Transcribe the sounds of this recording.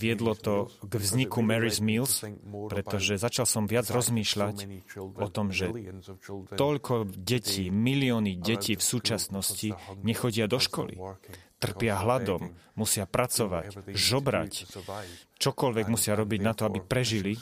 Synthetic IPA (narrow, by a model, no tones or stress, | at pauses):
ʋɪɛd̪lɔt̪ɔɡvzɲikumɛɾizmiːlspɾɛt̪ɔʒɛzat͡ʃalsɔmʋɪad͡zɾɔzmiːʃlacʔɔt̪ɔmʒɛ | t̪ɔʎkʰɔɟɛcʰiːmiliɔniɟɛciːfsuːt͡ʃasnɔsciɲɛxɔɟɪad̪ɔʃkɔ̰lḭt̪r̩pɪaɦlad̪ɔmːusɪapɾat͡sɔʋa̰cʒɔbɾa̰c | t͡ʃɔkɔʎʋɛɡmusɪaɾɔbiɟnat̪ɔabipɾɛʒili